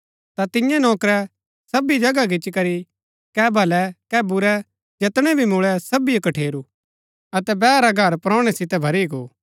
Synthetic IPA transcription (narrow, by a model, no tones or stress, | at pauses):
t̪at̪ɪ̃jãnɔːkɾɛ | sɐbid͡ʒɐɡaɡɪt͡ʃːkɐɾi | kɛbʱɐlɛkɛbʊɾɛ | d͡ʒɐt̪ɽ̃ɛbʱimʊɭɛsɐbikɐʈʰeːɾu | ɐt̪ɛbɛːɾaɡʱɐɾpɾɔ̃ːʊɽ̃ɛsɪt̪ɛbʱɐɾiɡoː